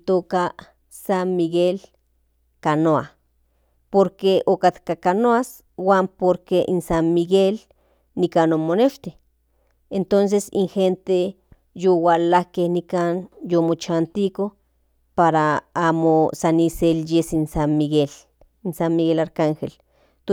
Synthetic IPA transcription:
t̪oːka | sanmiɣel | kanoa̰ | poɾkeokat̪kakanoas | waːmpoɾkeʔinsanmiɣel | nikanomoneʃt̪i | ent̪ons̬esḭŋxent̪e | jowalahkehnikanjomot͡ʃant̪iko | paɾaamosaniseljesinsanmiɣel | insanmiɡɣelaɾkaŋxel | t̪

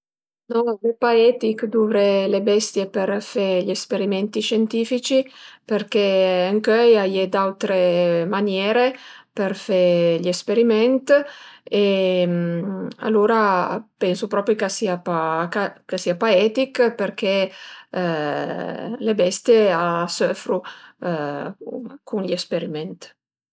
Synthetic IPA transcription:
nɔvepaɛːt̪ikd̪uːvɾelebɛst̪jeperfeʎespeɾimɛnt̪iʃɛnt̪iːfit͡ʃiperkeaŋkøjajed̪awt̪ɾemanjɛːɾeperfeʎespeɾimɛnt̪ema̰lːuːɾapɛnsupɾɔːpɾjokasiapakakesiːapaɛːt̪ikperk̟e | lebɛst̪jeasøfɾu | kunʎespeɾimɛnt̪

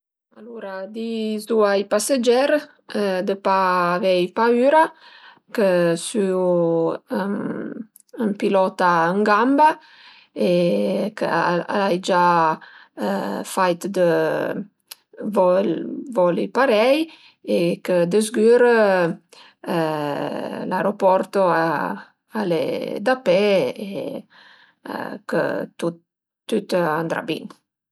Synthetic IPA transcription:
aluɾad̪izd̪uajpasad͡ʒɛɾ | d̪əpaːvɛjpayɾa | kəsy | əmpilɔt̪aəŋɡamba | ekəa̰lajd͡ʒa | fajt̪d̪ə | vɔvɔlipaɾɛj | ekəd̪əzɡyːɾə | lajɾopɔrt̪oa | alḛd̪apɛe | kə̰t̪u | t̪ːyt̪and̪ɾa̰bḭn

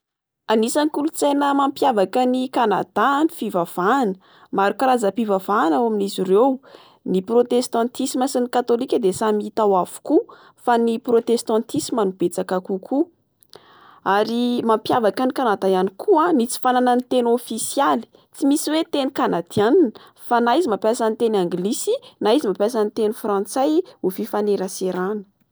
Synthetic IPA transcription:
anisanikulut͡senəmampjavakənikanad̪̥anifivav̥anə̥ | maɾukaɾazəpivavanawaminizirew | niprot̪est̪ɑ̃nt̪isiməsinikat̪olikʲəd̪esamiit̪awav̥u̥ku | faniprot̪est̪ãnt̪isimanub̥et͡sakakukʰu | aɾimampjavakanikanat̪ajanikʰuanit͡si̥fanananit̪enofisjali̥ | t͡simisiwet̪enikanad̪̥ianinə | fanaizimapjasanit̪enaŋɡlisinaizimapjas̬anit̪enufrãnt͡sajufifaneɾaseɾanə̥

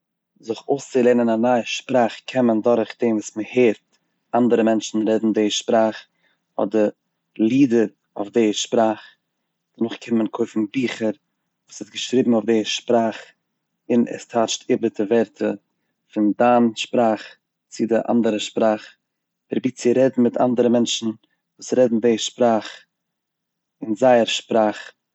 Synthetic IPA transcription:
zɪχoʊst͡sɪlˠeːnənanaːʃpɾaːχkʰɛməndɔɾχd̥eːnvuːsməheːɾt | andəɾəmɛnt͡ʃn̩ɾɛdn̩deːʃpɾaːχ | ɔ̰dəɾ | lˠiːdəɾ | ʊ̰fdeːʃpɾaːχ | d̥ənʊχkʰɪnmənkʰoɪfn̩biːχəɾ | vuːsɪsɡəʃɾiːbm̩ʊfdeːʃpɾaːχ | ɪnɛ̰stʰaːt͡ʃtʰɪbətʰəvɛɾtʰə | fɪndaːnʃpɾaːχ | t͡sɪdɪʔa̰ndəɾəʃpɾaːχ | ɪɾbit͡sɪɾɛdn̩mɪta̰ndəɾəmɛnt͡ʃn̩ | vuːsɾɛdn̩deʃpɾaːχ | ɪnzaɪəɾʃpɾaːχ

